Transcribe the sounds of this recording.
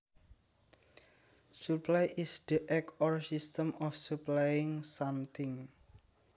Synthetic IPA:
suplajʔisd̪̥əʔɛkɔrsist̪əmɔfsuplajɪŋsamt̪ʰɪŋ

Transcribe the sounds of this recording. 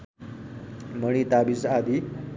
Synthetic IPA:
məɽ̃it̪abisad̪i

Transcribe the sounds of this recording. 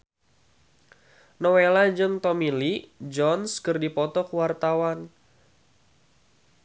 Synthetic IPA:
nɔwelad͡ʒɨŋt̪ɔmilid͡ʒɔnskɨrdipɔt̪ɔkuwart̪awan

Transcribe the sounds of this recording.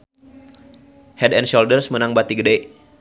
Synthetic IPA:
hɛdɛnʃoldərsmənaŋbat̪iɡədaj

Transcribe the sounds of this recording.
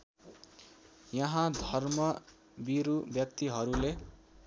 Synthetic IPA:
jʌɦãd̪ʱʌrmʌ | biɾubjʌk̚t̪iɦʌɾule

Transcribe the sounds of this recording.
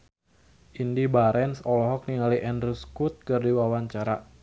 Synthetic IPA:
ʔindibaɾɛnsɔlɔɦɔk̚niŋaliʔɛndruskut̪̚kərdiwawaɲt͡ʃaɾa

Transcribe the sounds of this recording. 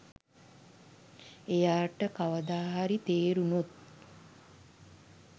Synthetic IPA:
ejaːʈəkaʋəd̪aːɦaɾit̪eːɾunut̪̚

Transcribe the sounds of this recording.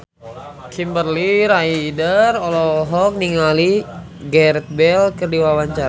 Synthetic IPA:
kʰimbərliɾaidərɔlɔɦɔk̚niŋali | ɡɛɾɛt̪̚bɛlkɨrdiwawaɲt͡ʃaɾa

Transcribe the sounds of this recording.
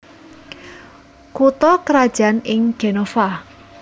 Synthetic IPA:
kut̪ɔkəɾad̥ʒ̥a̤nɪŋɡ̥enɔfa

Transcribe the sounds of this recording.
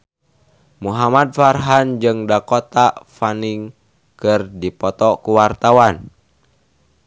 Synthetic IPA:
muɦamad̚farɦand͡ʒɨŋdakɔt̪afaniŋ | kɨrdipɔt̪ɔkuwart̪awan

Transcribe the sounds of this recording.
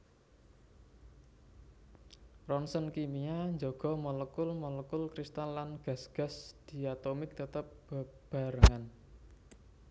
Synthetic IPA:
rɔnsənkimijaɲd͡ʒoɡ̥ɔ̤mɔləkʊlmɔləkʊlkɾist̪alːanɡ̥a̤sɡ̥a̤sd̪̥i̤at̪omɪk̚t̪ət̪əp̚b̥a | b̥a̤ɾəŋan

